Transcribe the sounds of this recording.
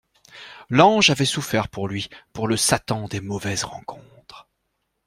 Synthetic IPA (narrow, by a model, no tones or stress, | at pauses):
lɑ̃ʒavɛsufɛʁpuʁlɥipuʁləsat̪ɑ̃d̪emɔvɛzʁɑ̰̃kʰɔ̃t̪χ